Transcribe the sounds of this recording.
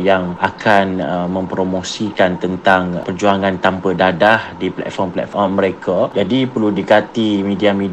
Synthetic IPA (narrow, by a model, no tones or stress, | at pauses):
jaŋakʰanəmə̃mpɾomosikant̪ənt̪aŋpərd͡ʒuaŋãnt̪ampədadahdiplɛ̰t̪̚fɔrmplɛ̰t̪̚fɔrmːə̃ɾekʰad͡ʒadipərludikat̪imidiamid